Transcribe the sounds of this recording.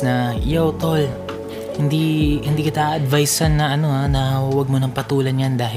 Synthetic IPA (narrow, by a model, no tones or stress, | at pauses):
nɐjowt̪ol | hɪnd̪ihɪnd̪iːkɪt̪aʔʔɐd̪vajsanːɐʔɐno̞anɐhuwɐɡ̚monɐŋpɐt̪uːlɐnjand̪aːɦɪ